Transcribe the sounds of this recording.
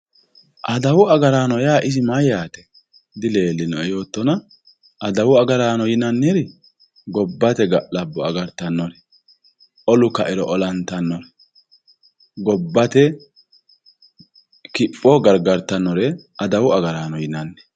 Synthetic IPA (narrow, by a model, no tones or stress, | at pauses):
ʔɐd̪ɐwʊɐɡɐɾaːnɔjaːʔɪsɪmɐjaːt̪ɛ̥ | d̪ɪle̞ːlːɪnɔɛjo̞ːt̪ːɔnɐ | ʔɐd̪ɐwʊɐɡɐɾaːnɔjɪnɐnːɛɾɪ | ɡɔbːɐt̪ɛɡɐʔlɐbːɔɐɡɐɾt̪ːɐnːɔɾɛ | ʔɔlʊkɐʔɛɾɔʔɔlɐnt̪ːɐnːɔɾ | ɡɔbːɐt̪ɛ | kɪpʼːɔɡɐɾɡɐɾt̪ːɐnːɔɾɛɐd̪ɐwʊɐɡɐɾaːnɔjɪnɐnːɛ̥